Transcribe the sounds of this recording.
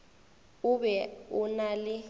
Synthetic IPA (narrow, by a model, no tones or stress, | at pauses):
uɓɛunalɪ